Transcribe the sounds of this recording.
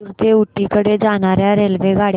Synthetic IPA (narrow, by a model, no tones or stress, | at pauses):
ɾt̪euʈːikəɽed͡zanaɾjaɾelʋeɡʱaɽ